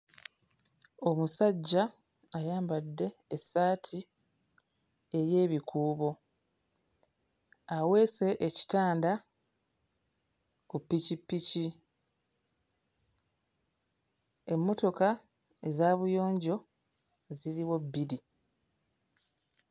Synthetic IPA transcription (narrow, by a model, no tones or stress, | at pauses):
o̞musaɟːaː | jaːmbadːe̞ːsːaːtʰi | e̞je̞ːβikʰuːβo̞ | awe̞ːse̞ʔeci̥taːnda | kupːicipːici | e̞mːo̞to̞ka | e̞zaːβujo̞ːɲɟo̞ | ziɾiwo̞bːiɾi